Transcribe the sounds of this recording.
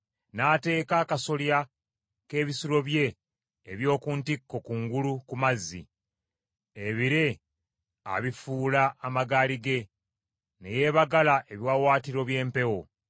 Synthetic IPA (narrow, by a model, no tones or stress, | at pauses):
naːte̞ːkaːkaso̞lja | ke̞ːβisulo̞βje̞ː | βjo̞ːkuntikːo̞kuŋɡulukumazːḭ | eβiɾe̞ | a̰βifuːlaʔːmaɡaːliɡe̞ | ne̞̰je̞ːβaɡalaʔeβjwaːwaːtiɾo̞βje̞ːmpe̞wo̞